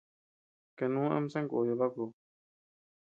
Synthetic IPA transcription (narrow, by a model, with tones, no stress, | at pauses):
ke˨nũː˦ʔa̰˧˦m˦sã˦ŋku˨jo˨βa˦ku˨